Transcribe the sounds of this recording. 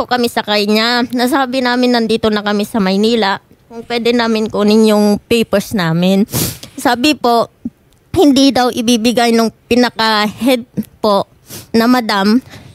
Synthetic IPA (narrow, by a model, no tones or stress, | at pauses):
okɐmɛsɐkɐɲanɐs̬aːbɪnaːmɪnːɐnd̪iːt̪onɐkɐmɛsɐmɐjniːlɐ | kʊŋpwɛːd̪ɛnaːmɪnkonɪnjʊŋpɛjpɛɹsnaːmɪnsaːbɪpo̞ʔ | hɪnd̪id̪ɐwʔɪbiːbɪɡajnoŋpɪnɐkɐhɛd̪̚po̞ʔ | nɐmɐd̪am